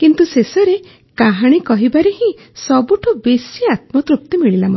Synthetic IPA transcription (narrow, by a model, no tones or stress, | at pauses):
kint̪usesɔɾe | kaɦaɽ̃ikɔɦibaɾeɦĩ | ssɔbuʈʰɔbesiat̪̚mɔt̪ɾup̚t̪imiɭilamɔ